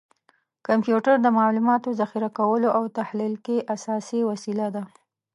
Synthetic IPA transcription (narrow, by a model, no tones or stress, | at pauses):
kampjuʈaɾd̪əmalumɑt̪ozaxiɾakawəloʔawt̪ahlilkeʔasɑsiwasilad̪a